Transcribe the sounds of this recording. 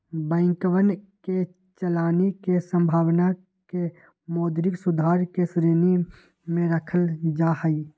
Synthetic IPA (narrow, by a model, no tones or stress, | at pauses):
bə̃ɪŋkʋənke | t͡ʃəlaːnikesə̃mbʱaːʋna | ke | moːd̪ɾɪksʊd̪ʱaːɾkesɾeːni | mẽɾəkʰəld͡ʒahəi